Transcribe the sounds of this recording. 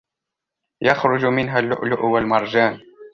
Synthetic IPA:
jɑxɾʊd͡ʒmɪnɦalːʊ̰ʔlʊʔwalmɑɾˤd͡ʒaːn

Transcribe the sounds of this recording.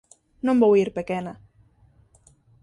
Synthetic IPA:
nõmbowiɾpekena

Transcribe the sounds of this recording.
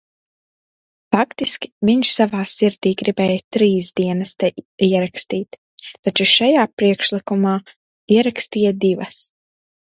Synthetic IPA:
fakt̪iskʲi̥viɲʃsavaːsiɾd̪iːɡɾibɛːjt̪ɾiːzd̪iɛnɐst̪ɛiɛɾakst̪iːt̪ː | at͡ʃuʃajaːpɾiɛkʃlˠikumaː | iɛɾakst̪iːjad̪ivɐs

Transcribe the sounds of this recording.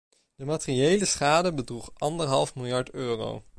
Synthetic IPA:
d̥əmatriejləsχaːdəbədruχʔɑndəɹɦɑlˠfmɪlˠjɑɹtøːro̰w

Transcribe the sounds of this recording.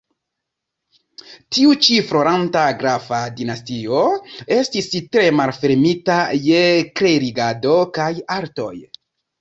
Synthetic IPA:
tiut͡ʃifɾo̞ɾantaɡɾafadinastio̞e̞stistɾe̞malfe̞ɾmitajekɾe̞ɾiɡado̞kajaɾto̞̰j

